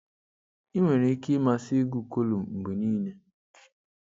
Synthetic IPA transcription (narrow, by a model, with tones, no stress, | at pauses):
i˦ŋʷe˨ɾe˨˦ki˦ma˦si˦ɡu˨ko˦lu˨mm̩˨ɡ͡bi˨niː˦ne˦